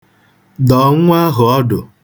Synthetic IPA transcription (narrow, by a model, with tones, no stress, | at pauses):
dɔ˨ŋʷʊ˦a˦ɦʊ˨ɔ˦dʊ˨